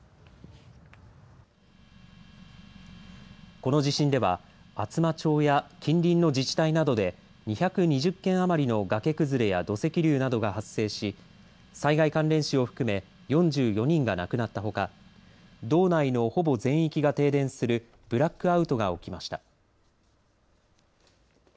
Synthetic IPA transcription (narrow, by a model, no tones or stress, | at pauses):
ko̞no̞ʑiɕĩnd̪e̞βa̰at͡sɨmat͡ɕo̞ːjakʲʰĩnɾʲĩnːo̞d͡ʑit͡ɕi̥t̪ainad̪o̞d̪e̞ | ɲ̟içakɯ̟ɲ̟iʑɨkːẽ̞ɰ̃amaɾʲino̞ɡake̞kɯ̟zɨɾe̞jad̪o̞se̞kʲiɾʲɯːnad̪o̞ɡahasːe̞ːɕi | saiɡaikãnɾẽ̞ɰ̃ɕio̞ɸɯ̟̥kɯ̟me̞ | jõ̞ɲd͡ʑɨːjo̞ɲ̟ĩŋɡanakɯ̟nat̪ːaɦo̞ka | d̪o̞ːnaino̞ho̞bo̞zẽ̞ɰ̃ikʲiɡat̪e̞ːd̪ẽ̞ɰ̃sɨɾɯ̟ | b̥ɯ̟ɾakːɯ̟aɯ̟t̪o̞ɡao̞̰kʲimaɕi̥t̪a